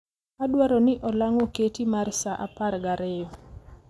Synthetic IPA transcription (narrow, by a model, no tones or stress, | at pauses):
adwaɾɔnɪʔɔlaŋɔketimarsaʔaparɡaɾɛjɔ